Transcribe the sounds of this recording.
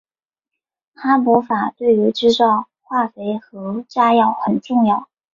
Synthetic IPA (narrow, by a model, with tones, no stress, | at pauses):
t̪ʰa˥pu˧˥fa˨˩t̪we˥˩ɪy˧˥ʈ͡ʂɻ̩˥ʈ͡ʂɑ˥˧ʊ | xwa˥˩fe˧˥ɪxɤ˧˥ʈ͡ʂa˥jɑ˥˩ʊxə˨˩nʈ͡ʂʊ˥˧ŋjɑ˥˩ʊ